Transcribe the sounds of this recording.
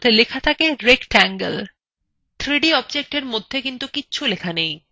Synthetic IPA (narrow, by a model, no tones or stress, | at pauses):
t̪ʰelekʰat̪ʰakeɾekʈɛŋɡel | t̪ʰɾiɖiɔbd͡ʑek̚ʈeɾmod̪ʱːekint̪ukitːɕʰulekʰanej